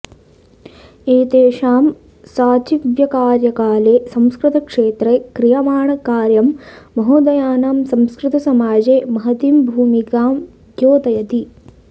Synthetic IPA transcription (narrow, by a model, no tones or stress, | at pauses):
eːt̪eːʂaːm | saːt͡ʃiʋjɐkaːɾjɐkaːleːsɐ̃mskɾɪt̪ɐkʂeːt̪ɾekɾijamaːɳɐkaːɾjɐmːɐɦoːd̪ɐjaːnaːmsɐ̃mskɾɪt̪ɐsɐmaːd͡ʒeːmɐɦɐt̪imbʱuːmikaːm | ɡjoːt̪ɐjɐt̪i